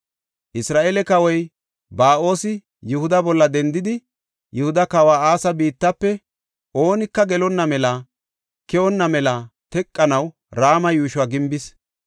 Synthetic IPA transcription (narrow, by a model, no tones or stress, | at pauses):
ʔɪsɾaːʔeːlɛkɐwɔj | baːʔo̞ːsɪ | jʊhʊd̪ɐbɔlːɐd̪ɛnd̪ɪd̪ɪ | jʔʊhʊd̪ɐkɐwaːaːsɐbiːt̪ːɐpːɛ | ʔo̞ːnɪkːɐɡɛlɔnːɐmɛlɐ | kɛwɔnːɐmɛlɐt̪ɛkʼːɐnɐw | ɾaːmɐjuːʃʊwaːɡɪmbɪs